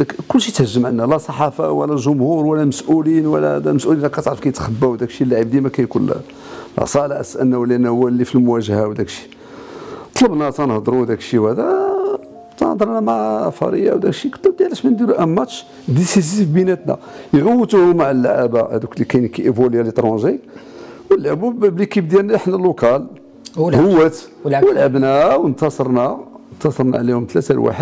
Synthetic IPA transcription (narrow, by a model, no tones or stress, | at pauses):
d̪ækkʊlːʃit̪həʒːəmʕanːælæsˤɑħɑfɑ̰wəlːæʒʊmhuɾwælːæməsʔulinwəlːæd̪æməsʔulinlækæt̪ʕɾəfkæjət̪xəbːæwd̪ækʃilːaʕibd̪imækæjkun̰ | lʔɑ̰sˤɑlʕəsʔənnːæwəlːænæwælːifilmʊwæʒhawd̪ækʃi̥ | t̪ˤləbnæt̪ænhd̪ˤɾud̪ækʃiwhæd̪æ | t̪ɑnhd̪ˤəɾˤnæmaʕfɑ̰ɾəja̰wd̪ækʃikət̪ːæb̚d̪jaʕlæʃmænd̪iɾuʔæmːæt̪ʃ | d̪isizifbinæt̪næ̰ | jɣəwːət̪uhʊmaʕəlːʕabahæ̰d̪uklikæjnkiʔəbuljalit̪ˤɾũʒi | wəlːʕbubblikib̚d̪jæɾnæħnælʊkɑl | hʊwːət̪ | wəlʕəbnæwnt̪ɑsˤɑɾˤnænt̪ɑsˤɑɾˤna̰ʕlihʊmt̪læt̪æ̰lwa̰ħəd̪̚